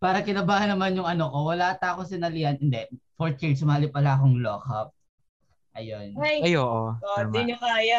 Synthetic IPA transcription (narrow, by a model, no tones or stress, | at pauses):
paːɾɐkɪnɐbaːhɐnːɐmanjʊŋʔɐnokowɐlaʔt̪aːkosɪnɐlɪjɐnhɪnd̪ɛfoɹt͡ʃis̬ʊmaːlɪpɐlaʔɐko̞ŋloːkɐp̚ | ʔɐjonaɐjoːʔoomiɲokaːjɐ